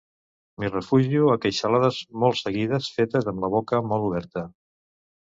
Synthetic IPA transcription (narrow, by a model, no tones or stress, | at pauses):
mirəfuʒiuəkəjʃəlaðəzmɔlˠsəɣiðəsfet̪əzəmləβ̞okəmɔlˠuβ̞ɛɾt̪ə